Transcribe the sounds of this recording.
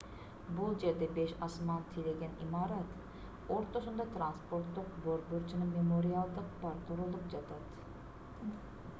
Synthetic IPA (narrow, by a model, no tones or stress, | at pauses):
bulˠd͡ʒeɾd̪ɛbeʃɑsmɑnt̪ʰileɡʲɛnimɑːɾɑt̪ | oɾt̪oʃund̪ɑt̪ʰɾanspoɾt̪ːˠʊq̚boɾbøɾt͡ʃʰinɪmemoɾijɑlˠd̪ɨq̚bɑɾt̪ʰoɾolˠupd͡ʒɑt̪ʰɑd̪